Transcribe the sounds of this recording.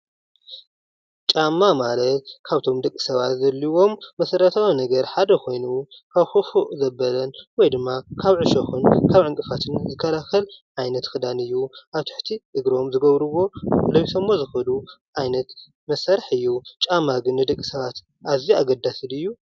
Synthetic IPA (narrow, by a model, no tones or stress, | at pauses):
t͡ʃʼamːamalɐt̪̚kʰaβt̪ʰo̞md̪ɐkʼːi̥sɐβat̪zɐlːiwo̞mːɐsɐɾɐt̪ʰawinɐɡɐɾħad̪ɐkʰo̞jnukʰaβxofuʔzɐbɐlɐnwɔjd̪ɨmːakʰaβʕɨʃoxɨnkʰaβʕɨŋkʼɨfat̪ʰɨnzɨkʰːɐlaxɐlʕajnɐt̪xɨd̪anɨjːuʔaβt̪ʰɨ̥ħt̪ʰiʔɨɡɾo̞mzɨɡɐβɾɨwo̞lɐwsʰɐmːozɨxɐluʕajnɐt̪ | mɐsaɾɐħɨjːut͡ʃʼamaɡɨnːɨd̪ɐkʼːisɐβat̪ | ʔaβziaɡɐd̪asɨlɨjːu